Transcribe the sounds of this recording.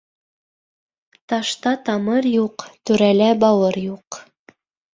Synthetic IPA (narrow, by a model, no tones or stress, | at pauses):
t̪ɑʃt̪ɑt̪ɑmɤɾjuqt̪ʉɾælæbɑwɤɾjuq